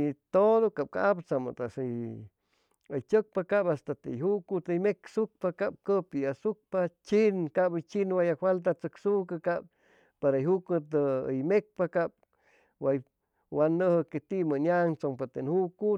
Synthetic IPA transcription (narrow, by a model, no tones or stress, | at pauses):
it̪odokap̚ka̰apt͡sama̰t̪as | əjt͡ʃʲək̚pakapast̪at̪ḛjɦukut̪əjmeksuk̚pakap̚kəpiasuk̚pat͡ʃinkabət͡ʃinwajahwalt̪̬at͡səksukəkap̚ | paɾajɦukut̪əə̰jmek̚pakap̚ | waj | wanːəhəket̪iʔmənjaŋt͡soŋpat̪enhuku